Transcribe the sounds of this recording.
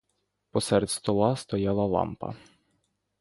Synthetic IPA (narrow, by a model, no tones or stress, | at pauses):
pɔsɛɾt̪ʲst̪ɔlˠɑst̪ɔjɑlˠɐlˠɑ̰mpɐ̰